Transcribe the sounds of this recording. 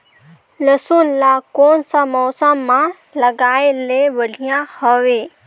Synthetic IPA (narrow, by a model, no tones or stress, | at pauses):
lɐsunlakoːnsãmɔːsəmːã | lɐɡaːeleʋɐɖʱijãhəʋeː